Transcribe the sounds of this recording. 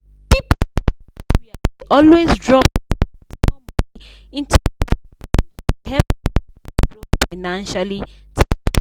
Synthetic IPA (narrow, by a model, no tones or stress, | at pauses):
bip | wiaɔlwezdɹɔp̚ | ɔ̃m | ĩntʰu | ɛ | ɹɔfaɪnãnʃali | tʰ